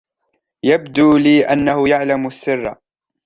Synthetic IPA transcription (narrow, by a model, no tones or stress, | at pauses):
jabd̪uːliːʔanːahʊjaʕlamsːɪrː